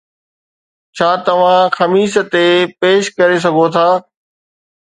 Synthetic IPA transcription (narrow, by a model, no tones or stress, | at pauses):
t͡ɕʰaːt̪ɐʋ̤ãxɐmiːsə̆t̪epeːʃkɐɾes̬ɐɡʱot̪ʰaː